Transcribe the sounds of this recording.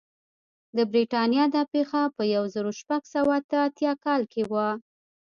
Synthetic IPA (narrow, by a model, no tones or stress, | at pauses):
d̪əbɾiʈɑnjɑd̪ɑpexapəjawzəɾoʃpaɡsawaat̪əat̪jɑkɑlkʰewa